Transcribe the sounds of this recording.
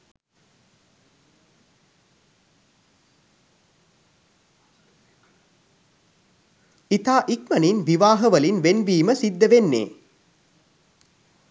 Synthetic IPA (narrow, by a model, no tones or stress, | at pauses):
it̪aːʔikmɐninʋiʋaːɦəʋɐlinʋenʋiːməsid̪ːəʋenːḛː